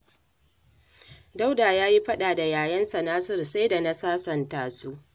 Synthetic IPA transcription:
da˦wdaː˨jaː˦ji˦ɸɐ˦ɗaː˨da˨jaː˨jɐ˦nsa˨naː˦sɪ˦˨rsa˦jda˨na˦saː˦sɐ˨ntaː˨su˦

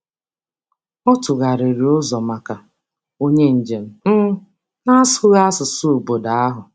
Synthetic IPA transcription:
ɔ˦tʊ˨ɣa˨ɾɪ˨ɾi˨ʊ˦zɔ˨ma˨ka˨ | o˦ɲe˦n̩˨d͡ʒe˨m̩˦m̩˦ | na˦sʊ˦ɣa˦sʊ˨su˦ʊ˨bo˨da˨˦a˦ɦʊ˨

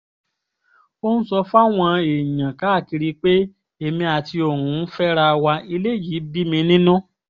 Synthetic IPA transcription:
o˦ñ̩˦sɔ˧fa˦w̃ɔ̃˧e˨ɲã˨ka˨˦˨ki˧ɾi˧k͡pe˦ | e˨mĩ˧a˨ti˧o˨ɾ̃ũ˨˦n̩˦fɛ˦ɾa˧wa˧i˧le˦˨ji˨˦bi˦mĩ˧nĩ˦nũ˦

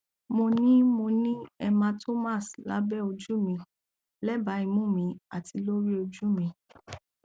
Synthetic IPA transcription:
mo˧nĩ˦mo˧nĩ˦ɛ˧mã˧tʰo˦ma˦˨sla̰˦bɛ˦o˧d͡ʒu˦mĩ˧ | lɛ˦ba˨˦i˧mũ˦˨mĩ˧a˨tʰi˧lo˦ɾi˦o˧d͡ʒu˦mĩ˧

